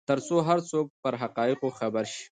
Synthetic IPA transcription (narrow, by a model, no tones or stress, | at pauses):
t̪əɾsoɦaɾt͡sok̚pəɾɦaqɑɪqoxabaɾʃi̥